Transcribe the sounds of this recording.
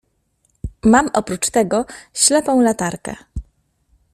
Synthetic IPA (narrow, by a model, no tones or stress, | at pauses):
mamʔɔpɾut͡ʂt̪ɛɡɔɕlɛpɔ̃w̃lat̪aɾkɛ̰